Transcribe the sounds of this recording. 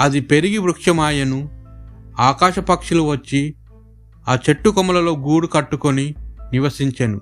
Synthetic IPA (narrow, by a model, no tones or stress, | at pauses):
ɐd̪ipe̞ɾiɡiʋɾukʂɐmaːjɐnu | aːkaːʃɐpɐkʂuluʋɐt͡ʃːi | aːt͡ʃeʈːukɔmɐlɐlo̞ːɡuːɽukɐʈːukoniniʋɐsiɲt͡ʃɐnṵ